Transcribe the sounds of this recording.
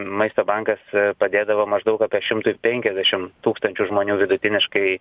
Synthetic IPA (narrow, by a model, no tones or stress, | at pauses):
mɐɪst̪oːbɐŋkɐspɐd̪ʲeːd̪ɐʋoːmɐʒd̪ɐʊkɑːpʲiɛʃʲɪmt̪ʊpʲɛŋʲkʲɛzʲd̪ʲæʃʲɪmt̪uːkst̪ɐnʲt͡ʃʲuʒmoːnʲuːʋʲɪd̪ʊt̪ʲɪnʲɪʃkɐɪ